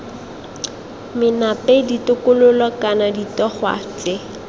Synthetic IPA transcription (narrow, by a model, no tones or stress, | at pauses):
mɪnapeditʊkʊlʊlɔkanaditɔχwa̰ːt͡sɪ